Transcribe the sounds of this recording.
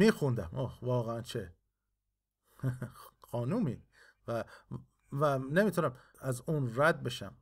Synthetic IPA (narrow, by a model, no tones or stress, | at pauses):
miːxund̪æmʔoːvɒːɣeænt͡ʃʰe | xɒːnuːmi | væ | vænemiːt̪ʰʊnæmæzunɾæd̪̚beʃæ̰m